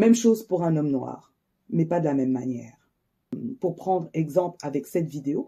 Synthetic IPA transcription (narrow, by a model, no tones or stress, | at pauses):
mɛmʃozpuʁɛ̃nɔmnwa̰ːʁ | mɛpad̪əlamɛmːanjɛːʁ | puʁpχɑ̃d̪ʁɛɡzɑ̃plavɛksɛt̪vid̪eo